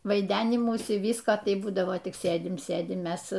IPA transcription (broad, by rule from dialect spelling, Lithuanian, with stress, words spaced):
ʋɐɪˈdʲæːnʲɪmuːsʲɪ ˈʋʲiːskoː ˈtɐɪ ˈbuːdɐʋoː tʲɪk ˈsʲeːdʲɪm ˈsʲeːdʲɪm ˈmʲɛs